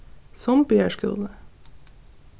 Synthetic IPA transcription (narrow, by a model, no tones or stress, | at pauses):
sɔmbeəʂkʏ̰lˠd̪ə